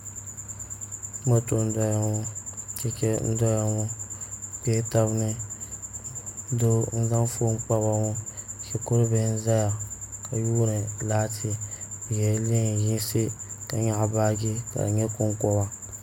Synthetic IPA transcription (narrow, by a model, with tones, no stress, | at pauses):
ma˦to˨n̩˦dɔ˦ja˦ŋʊ˦t͡ʃɛ˦kɛ˦n̩˦dɔ˦ja˦ŋʊ˦pe˦ta˦bnɨ˦ | do˦n̩˦za˦n˦fo˦m˦k͡pa˦βa˦ŋɔ˦ʃɛ˨kʊ˦ɾɨ˦bɪ˦n̩˦za˦ja˨ka˨juː˦nɨ˨laː˦tʰɪ˦bɪ˨jɛ˨˦lɪ˦˨ji˦sɪ˦ka˨ɲa˦ʔbaː˦ɡɪ˦ka̰˨ɲɛ˦kʊ˦ŋkɔ˦ba˦